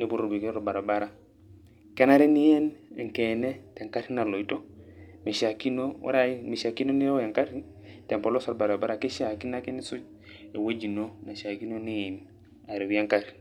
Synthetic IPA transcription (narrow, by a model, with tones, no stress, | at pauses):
ni˦bu˦ɾo˨ɾbi˨ke˦o˦ɾba˨ɾa˨ba˦ɾa˨ | ke˦na˦ɾe˦ni˦je˦n̰˨ŋ˨ke˨ne˦te˨ŋka˦ɾi˦na˨lo˨i˨to˦mi˨ʃa˨ki˦no˦wo̰˦ɾa˦i˦mi˨ʃa˨ki˦no˦ni˦ɾwja˨ŋka˦ɾ | te˨mpo˨lo˦sa˨ɾba˨ɾa˨ba˦ɾa˨ke˦ʃa˨ki˦na˦ke˦ni˦su˦d͡ʒ | e˨wo˦d͡ʒi˨no˦na˨ʃa˨ki˦no˦ni˦˨m | a˨ɾe˨˦a˦ŋka˦ɾ